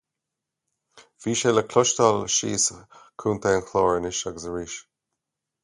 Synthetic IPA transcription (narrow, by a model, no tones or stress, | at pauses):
v̥iːʃeləkʰlɔʃtalʃḭːskʰuːnt̪ʰaənkʰlɔːɹɪnɪʃaɡəsəɹiːʃ